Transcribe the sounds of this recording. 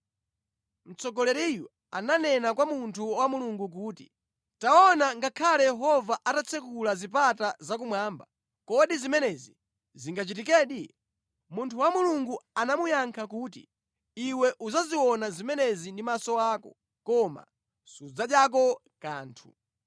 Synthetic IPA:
m̩t͡sɔɡɔlɛɾiju | ananɛnakwamuntʰuwamuluŋɡuk̬uːtḭ | taɔnaŋɡakʰalɛjɛɦɔvaʔatat͡sʰɛkulazipatazak̬umwaːmba | kɔɗizimɛnɛzi | ziŋɡat͡ʃitikɛːɗi | muntʰuwamuluŋɡuanamujaŋkʰakuːtḭ | iwɛʔuzaziwɔnazimɛnɛzindimasɔwaːkɔ | kɔma̰ | sud͡zaɗjak̬ɔ | ka̰ːntʰu

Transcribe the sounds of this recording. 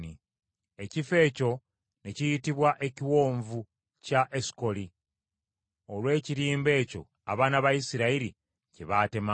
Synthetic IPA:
ni | e̞cife̞ːco̞ | ne̞cijitiβwaʔe̞ciwo̞ːɱvu | caʔesko̞li | o̞lwe̞ːciɾiːmbe̞ːco̞ | a̰βaːnaβajisiɾaiɾi | ceβaːte̞ma

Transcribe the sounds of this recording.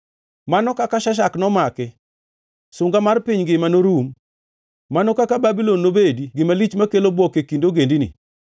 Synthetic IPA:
manɔkakaʃaʃ̬aknɔmakɛ | sʊŋɡamarpiɲɡɪmanoɾumː | anɔkakababilɔnːobediɡɪmalit͡ʃmakelobwɔkekindoɡendinḭ

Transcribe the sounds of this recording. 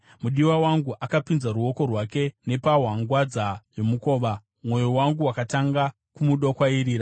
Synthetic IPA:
muɗiwawaŋɡuʔakapinzaɾuo̞ko̞rwake̞ne̞paɦwaŋɡwad͡zajo̞muko̞ːʋa | mwo̞jowaŋɡuwakataŋɡa | kumuɗokwaiɾiːɾa

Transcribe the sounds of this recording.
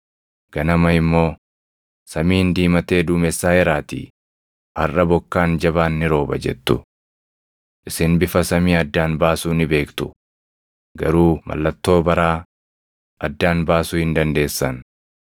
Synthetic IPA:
ɡ̥ɐnɐmɐɪmːo̞ː | sɐmiːnd̪iːmɐt̪e̞ːd̪ʊːmɛsːaːjɛɾaːt̪ḭː | hɐrʔɐbɔkːaːnd͡ʒɐβaːnːɪɾo̞ːbɐ̰d͡ʒɛ̰t̪ːʊ | ʔɪsɪnbɪfɐsɐmiːɐd̪ːaːnbaːsuːnɪbe̞ːkt̪ʊ̥ | ɡɐɾuːmʔɐ̰lːɐt̪ːo̞ːbɐɾaː | ʔɐd̪ːaːnbaːsuːhɪnd̪ɐnd̪e̞ːsːɐn

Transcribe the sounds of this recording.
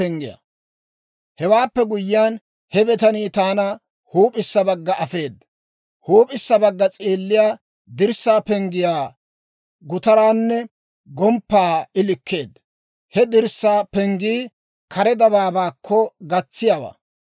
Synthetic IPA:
ɛŋɡɪja̰ | hɛwaːpːɛɡʊjːɪjaːn | hɛbɛt̪ɐniːt̪aːnɐ | huːpʼɪsːɐbɐɡːɐʔɐfe̞ːd̪ːɐ | huːpʼɪsːɐbɐɡːɐt͡sʼeːlːɪjaː | d̪ɪɾsːaːpɛŋɡɪjaː | ɡʊt̪ɐɾaːnːɛ | ɡɔmpːaːɪlɪkːe̞ːd̪ | hɛd̪ɪɾsːaːpɛŋɡiː | kʰɐɾɛd̪ɐβaːbaːkʰːɔɡɐt͡sːɪjaːwa̰ː

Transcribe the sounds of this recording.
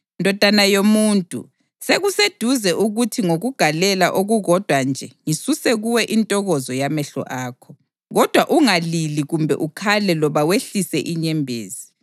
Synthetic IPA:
ndʱɔd̥ʱanajomuntʼṵ | seɣused̥ʱuzɛʔuɣutʰiŋoɣuɡ̥ʱalɛlaʔoɣuɣɔd̥ʱwand͡ʒʱɛŋisusɛɣuwɛʔintʼɔɣɔzɔjamɛɬɔ̰ʔaːkʰɔ | ɣɔd̥ʱwaʔuŋaliliɣumbʱɛ̰ʔukʰalɛlɔβaweɬisɛʔiɲɛmbʱḛːzi

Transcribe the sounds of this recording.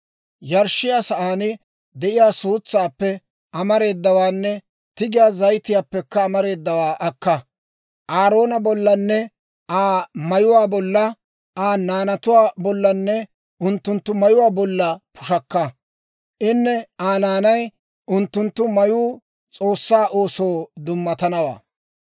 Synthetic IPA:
jɐɾʃɪjaːsɐʔaːnɪ | d̪ɛʔɪjaːsuːt͡sːaːpːɛ | ʔɐmɐɾe̞ːd̪ːɐwaːnːɛ | t̪ɪɡɪjaːzɐjt̪ɪjaːpːɛkːɐːmɐɾe̞ːd̪ːɐwaːʔɐkːɐ | ʔaːɾo̞ːnɐbɔlːɐnːɛ | ʔaːmɐjʊwaːbɔlːɐ | ʔaːnaːnɐt̪ʊwaːbɔlːɐnːɛ | ʔʊnt̪ːʊnt̪ːʊmɐjʊwaːbɔlːɐpʰʊʃɐkːɐ | ʔɪnːɛaːnaːnɐj | ʔʊnt̪ːʊnt̪ːʊmɐjuː | t͡sʼo̞ːsːaːʔoːsoːd̪ʊmːɐt̪ɐnɐwa̰ː

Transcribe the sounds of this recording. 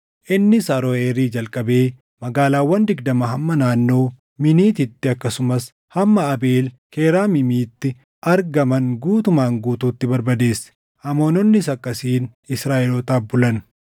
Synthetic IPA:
ʔɪnːɪsɐɾɔeːɾiːd͡ʒɐlkʼɐbe̞ː | mɐɡaːlaːwːɐnd̪ɪɡd̪ɐmɐɦɐmːɐnaːnːo̞ː | mɪniːt̪ɪt̪ːɪɐkːɐsʊmɐs | hɐmːɐːbe̞ːl | kʰeːɾaːmɪmiːt̪ːɪ | ʔɐɾɡɐmɐŋɡuːt̪ʊmaːŋɡuːt̪uːt̪ːɪbɐɾbɐd̪e̞ːsːɛ̥ | hɐmo̞ːnɔnːɪsɐkʼːɐsiːnɪsɾaːʔɪlɔt̪aːbʊlɐn

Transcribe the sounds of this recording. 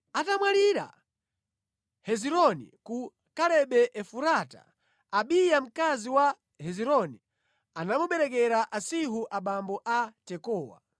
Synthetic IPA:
atamwaliɾa̰ | hɛziɾɔnḭku | kalɛɓɛʔɛfuɾata̰ | aɓijam̩kaziwa | hɛziɾɔni | anamuɓɛɾɛk̬ɛɾaʔasiɦuʔaɓambɔʔatɛkɔːwa̰

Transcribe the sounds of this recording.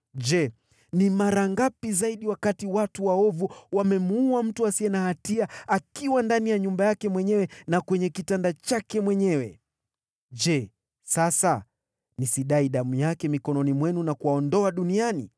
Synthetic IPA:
ʄɛ | nimaɾaŋɡapizaiɗiwakatiwatuwaɔvuwamɛmuuam̩tuasiɛnahatiaakiwandanijaɲumbajakɛmwɛɲɛwɛnakwɛɲɛkitandat͡ʃakɛmwɛɲɛwɛ | d͡ʒɛ | sasa | nisiɗaiɗamujakɛmikɔnɔnimwɛnunakuaɔndɔaɗuniani

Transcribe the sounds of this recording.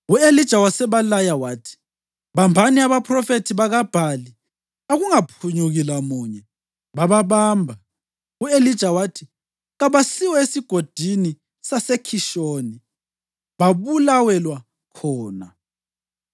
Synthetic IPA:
uelid̥ʒ̥ʱawasɛβalajawaːtʰi̥ | βambʱaniaβapʰʼrɔfetʰiβaɣab̥ʱali | aɣuŋapʰuɲuɣilamuːɲɛ | βaβaβaːmbʱa | uelid̥ʒ̥ʱawatʰi | ɣaβasiwɔesiɡ̥ʱod̥ʱini | sasekʰiʃoːni | βaβulawɛlwa | kʰɔːna̰

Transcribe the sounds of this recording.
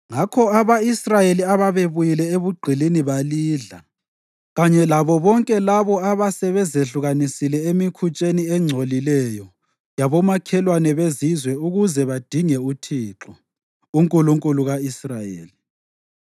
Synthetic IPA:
ŋakʰɔaβaisrajeliaβaβeβujilɛeβuɡ͡ǃʱiliniβaliːɮa | ɣaɲɛlaβɔβɔŋkʼɛlaβɔaβasɛβɛzeɬuɣanisilɛemikʰut͡ʃʼeniɛŋ͡ǀʱolilɛjɔ | jaβɔmakʰɛlwanɛβezizwɛuɣuzɛβad̥ʱiŋɛutʰiːǁɔ | uŋkʼuluŋkʼuluɣaisrajḛːli

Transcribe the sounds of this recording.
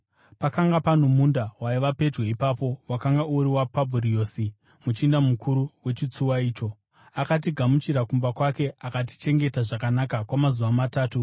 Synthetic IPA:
pakaŋɡapan̤omundawaiʋape̞d͡ʒwe̞ipaːpo̞wakaŋɡauɾiwapabʱurio̞ːsi | mut͡ʃindamukʰuɾuwe̞t͡ʃit͡suwaiːt͡ʃo̞ | akat̬iɡʱamut͡ʃiɾakumbakwake̞akat̬i̥t͡ʃe̞ŋɡe̞taʐakanakakwamazuʋamataːtu

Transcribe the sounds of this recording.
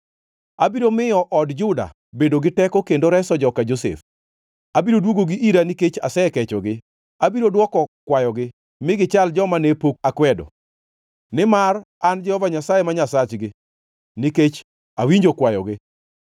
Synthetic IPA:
abiɾomɪjɔʔɔdd͡ʒʊda̰ | bedoɡɪtɛkɔkendoɾɛsɔd͡ʒɔkad͡ʒosḛf | abiɾodwoɡoɡiʔiɾaniket͡ʃasɛkɛt͡ʃɔɡɪ | abiɾodwɔkɔkwajɔɡɪ | mɪɡɪt͡ʃald͡ʒɔmanepok̚akwɛdɔ̰ | nɪmar | and͡ʒɛhɔvaɲasajemaɲasat͡ʃɡɪ | niket͡ʃ | awiɲd͡ʒokwajɔɡɪ

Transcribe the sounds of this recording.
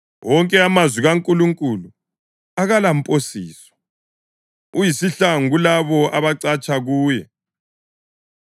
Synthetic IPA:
wʔɔŋkʼɛamazwiɣaŋkʼuluŋkʼulu | aɣalampʼosiːsɔ̥ | ujisiɬaŋɣulaβɔaβaǀat͡ʃʼaɣuːjɛ

